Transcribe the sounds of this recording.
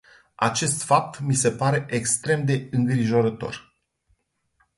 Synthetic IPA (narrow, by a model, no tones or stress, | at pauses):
a̰t͡ʃe̞st̪fap̚t̪mise̞paɾe̞ʔekst̪ɾe̞md̪e̞ɨŋɡɾiʒo̞ɾət̪o̞̰r